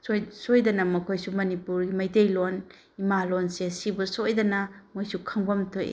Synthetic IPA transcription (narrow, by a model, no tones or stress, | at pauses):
sojsojdɐnɐmɐkʰojsumɐnipuɾɡimɐjtejlon | imalonseɐsibusojdɐnɐmojsukʰɐŋbɐmtʰoj̰